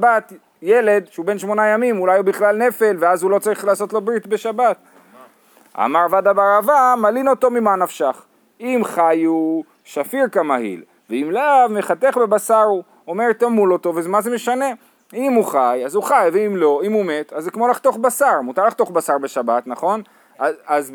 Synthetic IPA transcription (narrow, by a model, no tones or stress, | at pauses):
bat̪ | jele̞d̪ʃeube̞nʃmo̞najamimulajubiχlalne̞fe̞lveazulo̞t͡saʁiχlaːso̞t̪lo̞bʁit̪be̞ʃabat̪̚ | a̰maʁvad̪abaʁavamalinot̪o̞mimanafʃaχ | imχaju | ʃafiʁkamahḭl | veimlavmeχat̪eχbe̞basaʁu | omeʁt̪amulo̞t̪o̞vezemaze̞me̞ʃane̞ | imuχajazuχajveimlo̞imume̞t̪azːekmo̞laχt̪o̞χbasaʁmut̪aʁlaχt̪o̞χbasaʁbe̞ʃabat̪naχo̞n | aaz